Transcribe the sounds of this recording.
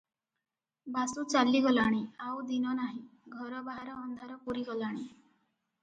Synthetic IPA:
basut͡ʃalːiɡɔlaɽ̃iawd̪inɔnaɦĩɡʱɔɾɔbaɦaɾɔːnd̪ʱaɾɔpuɾiɡɔlaɽ̃i

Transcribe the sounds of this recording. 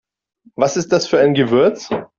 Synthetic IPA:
vasɪst̚d̥asfyːɐʔaɪnɡəvɪɐt͡s

